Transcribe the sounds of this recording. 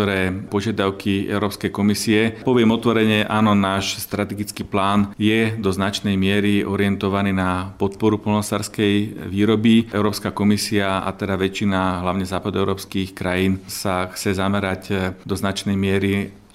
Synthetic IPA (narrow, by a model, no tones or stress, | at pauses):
ɔɾɛːpɔʒɪad̪aʊkʰiɛ̰ʊɾɔːpskɛjkɔmisiɛpɔʋɪɛmɔt̪ʋɔɾɛɲɛʔaːnɔnaːʃst̪ɾat̪ɛɡit͡skiːplaːnjɛd̪ɔznat͡ʃnɛjmɪɛɾiʔɔɾiɛnt̪ɔʋaniːnapɔt̪̚pɔɾupɔlnɔsaːɾskɛjʋiːɾɔbiʔɛʊɾɔːpskakɔmisiaa̰t̪ɛd̪aʋɛt͡ʃinaɦlaʊɲɛzaːpad̪uɛʊɾɔːpskixkɾajiːnsaxt͡sɛzamɛɾacd̪ɔznat͡ʃnɛjmɪɛɾi